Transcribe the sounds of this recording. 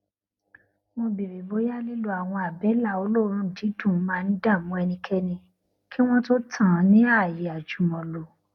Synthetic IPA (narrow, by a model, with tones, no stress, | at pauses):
mo˧bi˨ɾi˨bo˨˦ja˦li˦lu˦a˨w̃ɔ̃˧a˨bɛ˨˦la˦˨o˧lo˦ɾ̃ũ˦˨d͡ʒi˨˦dũ˦˨˦mãː˦˧n̩˦da˦˨mũ˦ɛ˧nĩ˧kʰɛ˧nĩ˧ | ki˦w̃ɔ̃˦to˦tʰã˦˨˦nĩ˦a˦˨ji˨˦a˨d͡ʒu˨˦mɔ̃˨lo˨